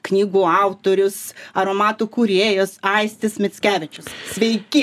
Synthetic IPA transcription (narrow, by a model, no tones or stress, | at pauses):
knʲiːɡuːɑʊt̪oːɾʲʊsɐɾoːmɑːt̪uːkuɾʲeːjoːsɐɪsʲt̪ʲɪsmʲɪsʲkʲæːʋʲɪt͡ʃʲʊssʲʋʲɛɪkʲɪ